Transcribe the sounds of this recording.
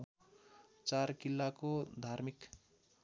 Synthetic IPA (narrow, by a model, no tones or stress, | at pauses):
t͡sarkilːakod̪ʱarmik